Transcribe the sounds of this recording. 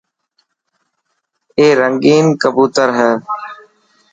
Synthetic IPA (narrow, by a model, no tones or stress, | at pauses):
eːɾəŋɡiːnkəbuːt̪əɾɦɛː